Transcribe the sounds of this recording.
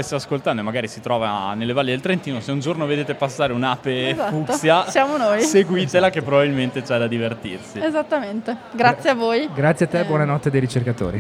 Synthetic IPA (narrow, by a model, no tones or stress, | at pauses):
est̪aaskolt̪and̪oemaɡaːɾisit̪ɾɔːvanelːevalːed̪elt̪ɾent̪iːnoseund͡ʒornoved̪eːt̪epasːaːɾeunaːpezafuk̪osjasjaːmonojseɡwit̪elakepːɾobabilment̪et͡ʃɛd̪ad̪ivert̪irsiezat̪ːament̪eɡɾasːjeavoːjɡɾat̪sjeat̪ːɛbːwɔnanɔt̪ːed̪ejɾit͡ʃerkat̪o̰ːɾi